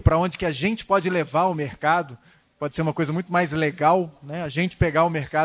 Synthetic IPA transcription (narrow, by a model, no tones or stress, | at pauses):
pɾɐõd͡ʒɪkɪaʒẽnt͡ʃɪ̥pɔd͡ʒɪlevaɾʊmeɾkad̪ʊ | pɔd͡ʒɪseɾũmɐkojzɐmũj̃t̪ʊmajzleɡawnɛaʒẽnt͡ʃɪ̥peɡaʊmeɾka